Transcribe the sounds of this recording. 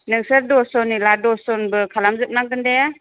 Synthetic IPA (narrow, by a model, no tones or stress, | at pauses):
nɯŋsəɾdɔsɔniladɔsɔnbɯkʰalamzɯp̚naŋɡɯndaja